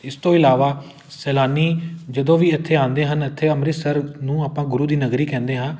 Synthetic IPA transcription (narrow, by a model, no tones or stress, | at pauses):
ɪst̪õːɪlaːʋaː | sɛːlaːniːd͡ʒəd̪õːʋiːɪt̪ʰːeːãːnd̪eːɦənɪt̪ʰːeːəmɾɪsəɾnũːaːpãːɡʊɾuːd̪iːnəɡɾiːkɛ̃ːnd̪eːɦãː